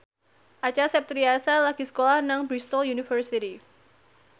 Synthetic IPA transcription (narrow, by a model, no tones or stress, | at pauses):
ʔat͡ʃasɛp̚t̪ɾiasalaɡ̥isə̥kolahnaŋbɾist̪ɔljunifərsiti